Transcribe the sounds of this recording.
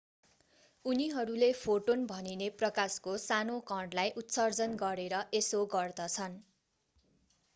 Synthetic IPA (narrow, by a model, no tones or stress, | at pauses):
uniɦʌɾulepʰoʈonbʱʌnineprʌkaskosanokʌɳɖlajʔut̪sʌrd͡zʌnɡʌɾeɾʌʔesoɡʌrd̪ʌt͡sʰʌn